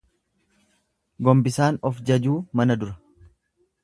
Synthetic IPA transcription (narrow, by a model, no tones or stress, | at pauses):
ɡɔmbɪsaːnɔfd͡ʒɐd͡ʒuːmɐnɐd̪ʊɾɐ̥